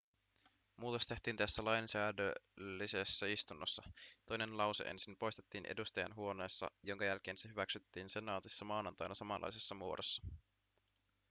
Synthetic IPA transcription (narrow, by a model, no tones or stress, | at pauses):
muːt̪ost̪e̞ht̪iːnt̪æsːælɑjnsæːdølːisesːæist̪unːosːɑt̪o̞jne̞nlɑwseʔḛnsinpo̞jst̪et̪ːiːnʔḛdust̪ɑjɑ̰nɦuo̞ne̞ːsːɑ̰jo̞ŋkɑjælk̟e̞ːnseɦyʋæksyt̪ːiːnse̞nɑːt̪isːɑmɑːnɑnt̪ɑjnɑsɑmɑlʔɑ̰jsesːɑmuodosːɑ̥